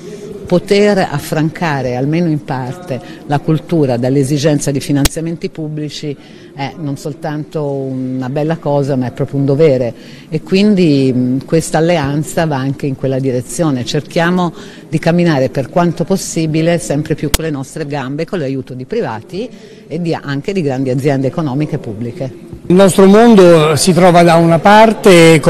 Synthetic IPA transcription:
pot̪era̰fːɾaŋkʰaːɾealmeːnoimpart̪elakult̪uːɾad̪elːezid͡ʒɛnt̪sad̪ifinant̪sjament̪ipubːlit͡ʃi | ɛnonsolt̪ant̪ounabɛlːakɔːzamaɛpːɾɔːpɾjound̪oveːɾe | ekːwind̪ikwest̪aːlːeant̪savaaŋk̟eiŋkwelːad̪iɾet̪sːjoːnet͡ʃerk̟jaːmo | d̪ikamːinaːɾeperkwant̪oposːiːbilesɛmpɾepjukːolːenɔst̪ɾeɡambekolajuːt̪od̪ipɾiva̰ːt̪i | ed̪ːiʔaŋk̟ed̪iɡɾand̪iad̪zjɛnd̪eːkonɔːmikepːubːlike | lnɔst̪ɾomond̪osit̪ɾɔːvad̪aunapart̪ek

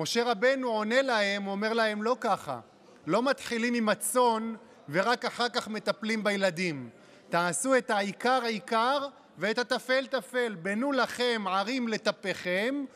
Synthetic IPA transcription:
mo̞ʃe̞ʁabe̞nuʕo̞ne̞lahe̞mome̞ʁlahe̞mlo̞kaχa̰ | lo̞mat̪χilimimat͡so̞n | ve̞ʁakaχaʁkaχme̞t̪aplimbajelad̪im | t̪aːsue̞t̪aikaʁaikaʁ | veet̪hat̪afe̞lt̪afe̞lbenulaχe̞mʕaʁimle̞t̪ape̞χe̞m

